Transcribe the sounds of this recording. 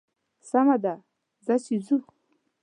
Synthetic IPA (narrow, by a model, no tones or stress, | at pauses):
samad̪a | zaɕizu